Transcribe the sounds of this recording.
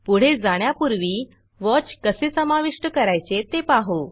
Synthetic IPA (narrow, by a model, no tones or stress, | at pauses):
puɽ̤ed͡zaɽ̃japuɾʋiː | ʋɔt͡ɕkəsesəmaʋiʂʈəkəɾajt͡set̪epaɦo